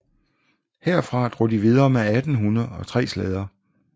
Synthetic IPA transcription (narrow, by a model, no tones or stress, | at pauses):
heɐ̰fʁɑ̈d̥ʁod̥iʋið̞ˠɐːmeæd̥n̩ɦunɐð̩ˠɒ̽t͡sʰʁɛ̰ːslɛːð̞ˠɐ